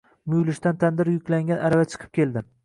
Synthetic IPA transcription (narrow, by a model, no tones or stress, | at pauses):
mʊjlɪʃt̪ant̪ʰand̪ɪɾjʊkʲlaŋɡʲanʔaɾavat͡ʃʰɨ̥qʰɨ̥p̚kʲe̞lˠd̪ɪm